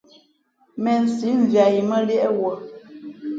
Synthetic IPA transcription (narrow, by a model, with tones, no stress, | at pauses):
mɛ˨n̩˨si˨˦ɱ̩˨vja˨ji˨mə˦li˦ʔɛ˦wɔ˨